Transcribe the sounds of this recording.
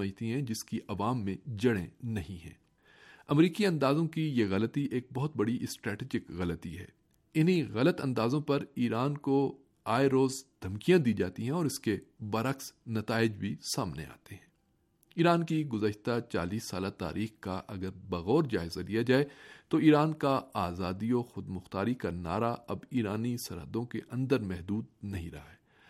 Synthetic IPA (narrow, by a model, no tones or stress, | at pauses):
məd͡ʒt̪iɦɛ̃d͡ʒɪskiʔɐʋaːmːẽd͡ʒɐɽẽnɐɦĩɦɛ̰̃ː | ɐmɾiːkiɐ̃nd̪aːzõkijeɣɐlət̪iʔeːk̚bɔɦʊt̪̚bɐɽiʔɪsʈɾɛːʈiːd͡ʒɪkɣɐlət̪iɦɛ̰ː | ɪnɦiɣɐlət̪ɐ̃nd̪aːzõpɐɾiːɾaːnko | aːeɾoːzd̪ʱɐmkijãd̪iːd͡ʒaːt̪iɦɛ̃ɔːɾɪskebɐɾəksnɐt̪aːɪd͡ʒbʱisaːmnḛa̰ːt̪eɦɛ̃ː | iːɾaːnkiɡʊzəʃt̪at͡ʃa̰ːliːsːaːlat̪a̰ːɾʔiːxkaʔɐɡəɾbɐɣɔːɾd͡ʒaːɪzalijad͡ʒaːet̪oiːɾaːnkaaːzaːd̪iɔxʊd̪mʊxt̪aːɾikana̰ːɾaɐbiːɾaːnisɐɾɦəd̪õkeʔɐ̃nd̪əɾmɛɦd̪uːd̪̚nɐɦĩɾɐ̰ɦaɦɛː